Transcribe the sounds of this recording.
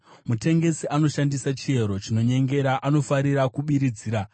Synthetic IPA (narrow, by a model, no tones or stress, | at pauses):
mute̞ŋɡe̞siʔano̞ʃandisat͡ʃie̞ɾo̞t͡ʃino̞ɲe̞ŋɡe̞ɾaʔano̞faɾiɾakuɓiɾid͡ziːɾa